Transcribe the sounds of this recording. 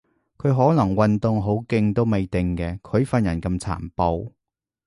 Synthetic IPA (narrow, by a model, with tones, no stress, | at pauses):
kʰɵ˨˧ɦɔː˨˥nɐ˨˩ŋwɐ˧nt̪ʊ˨˧ŋɦo˨˥wkɪ˧ŋt̪o˥wme˨˧jt̪ɪ˨˧ŋkɛː˧kʰɵ˨˧ɥfɐ˧njɐ˨˩nkɐ˧mt͡sʰa̰ː˨˩mpo˨˧w